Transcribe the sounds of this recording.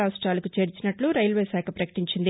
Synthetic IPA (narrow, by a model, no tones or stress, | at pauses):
aːʋɐsʈɾaːlɐkut͡ʃe̞ːɾit͡ʃinɐʈluɾɐjlʋeːsaːkʰɐpɾɐkɐ̥ʈiɲt͡ʃind̪i